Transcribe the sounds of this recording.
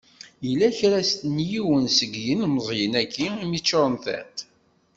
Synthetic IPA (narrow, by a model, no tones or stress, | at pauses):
jəlːæçɾæst̪njiwənsəɡjinməzˤjənækʰːiimit͡ʃːoɾˤnθæ̰nt̪